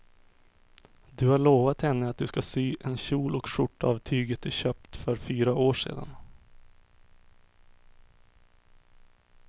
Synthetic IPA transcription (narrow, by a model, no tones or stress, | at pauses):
d̪ɵhaɭoːvat̪hɛnːəat̪̚d̪ɵskasyːʔɛnɕuːlɔkʂʊʈːavt̪ʰyːɡət̪̚ɪɕøːpt̪fœɾfyːɾaʔoːʂḛːd̪a̰n